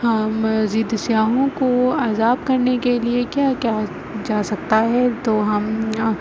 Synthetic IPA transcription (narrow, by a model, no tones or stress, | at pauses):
hɐmziːd̪sjaːɦõkoaːzaːb̚kɐɾnekeliekjaːkjaː | d͡ʒaːsɐk̚t̪aɦɛt̪oːɦɐm